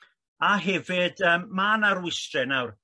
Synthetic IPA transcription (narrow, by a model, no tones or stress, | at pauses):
aɦɛvɪdəːmːaːnaɾwɪstrɛnawr